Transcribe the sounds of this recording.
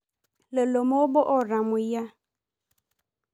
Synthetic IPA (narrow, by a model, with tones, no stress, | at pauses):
le˨lo˨mo˦bɔ˦ʔɔ˦ɾã˨mʊ̃˨ja˦